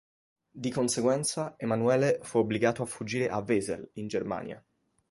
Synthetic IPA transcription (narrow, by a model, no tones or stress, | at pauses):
d̪ikonseɡwɛnt̪saemanuɛːlefuobliɡaːt̪oafud͡ʒːiːɾeʔavːeːzḛlind͡ʒerma̰ːnja̰